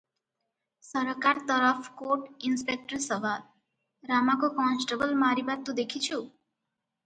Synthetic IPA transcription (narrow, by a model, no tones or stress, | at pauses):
sʌɾkaɾt̪ʌɾəfkoʈinspek̚ʈəɾsəʋal | ɾamakokɔnsʈəbəlmaɾibat̪ːud̪ekʰit͡ʃʰu